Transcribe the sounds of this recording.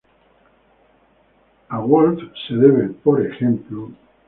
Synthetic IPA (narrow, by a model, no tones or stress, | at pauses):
aɣwolt̪seðeβepoɾexẽmplo